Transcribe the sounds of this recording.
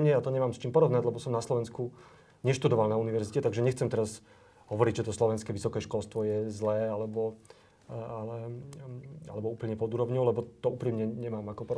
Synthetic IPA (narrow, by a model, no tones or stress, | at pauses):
ɲɛat̪ɔɲɛmaːmst͡ʃiːmpɔɾɔʋnaɟlɛbɔsɔmnaslɔʋɛnsku | ɲɛʃt̪ud̪ɔʋalnauniʋɛɾzicɛt̪aɡʒɛɲɛxt͡sɛmt̪ɛɾaz | ɦɔʋɔɾiɟʒɛt̪ɔslɔʋɛnskɛːʋisɔkɛːʃkɔlst̪ʋɔjɛzlɛːalɛbɔ | alɛ | a̰lɛbɔuːpl̩ɲɛpɔd̪uːɾɔʊɲɔʊlɛbɔt̪ɔuːpɾimɲɛɲɛmaːmakɔpɔɾ